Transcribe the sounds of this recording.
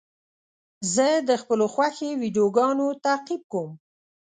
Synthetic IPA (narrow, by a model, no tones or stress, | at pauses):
zəd̪əxpəloxwaxewiɖijoɡɑnot̪aqib̚kom